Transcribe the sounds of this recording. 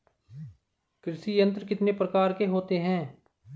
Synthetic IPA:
kɾɪsijə̃nt̪ɾkɪt̪nepɾəkaːɾkeɦoːt̪eɦɛ̃ː

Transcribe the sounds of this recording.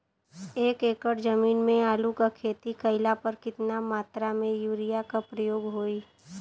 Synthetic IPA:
eːkeːkəɽd͡ʒɐmiːnmẽaːlukakʰeːt̪ikəɪlapɐɾkɪt̪namaːt̪ɾamẽjuːɾijakapɾəjoːɡɦoːi

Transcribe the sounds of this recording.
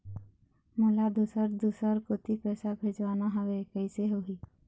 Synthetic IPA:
mʊlad̪usəɾd̪usəɾkot̪ipɛːsabʱed͡ʒʋaːnaɦəʋekəɪseɦoɦiː

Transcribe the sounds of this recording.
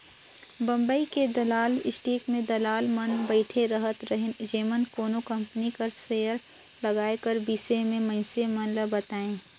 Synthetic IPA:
bɐ̃mbəiked̪ɐlaːlɪsʈiːkmẽd̪ɐlaːlmɐnbəɪʈʰeɾəɦət̪ɾɐɦed͡ʒeːmənkoːnokɐ̃mpənikɐɾsejəɾ | lɐɡaːekəɾbiːsemẽmɐ̃ɪsemɐnləbɐt̪aːẽː

